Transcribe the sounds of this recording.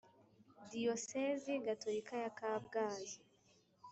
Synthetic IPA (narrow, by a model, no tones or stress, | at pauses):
dioseziɡatoɾikajakabɡaːzi